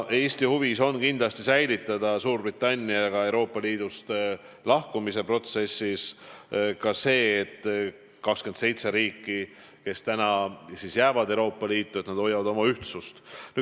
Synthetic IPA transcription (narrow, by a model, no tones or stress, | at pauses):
e̞ːst̪ihuviso̞nkind̪̥lɑst̪isæjlit̪ːˑɑd̪̥ɑsuːrb̥it̪ːˑɑnʲːiɑɡ̥ɑe̞wɾo̞ːpːˑɑliːd̪̥ust̪ | lɑhkumise̞pro̞t̪se̞sːis | kɑse̞ːt̪ː | kɑkskyensejt̪se̞ɾiːkːi | ke̞st̪ænɑsisjæːvɑd̪ewɾo̞ːpːɑliːt̪ːˑue̞t̪nɑd̥̪o̞jɑvɑd̪o̞mɑyht̪sust̪ny